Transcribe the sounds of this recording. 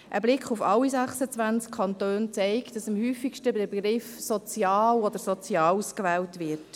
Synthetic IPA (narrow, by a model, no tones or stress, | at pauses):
ʔəblɪkχufɑlːizæχsət͡sʋænt͡skʰːɑntøːnt͡sɛɪkd̥ɑsɑmhyːfikʃtəbɛbɡɾɪfsɔt͡sjɑːlɔd̪əɾsɔt͡sjɑːluskʋɛːwtʋɪɾt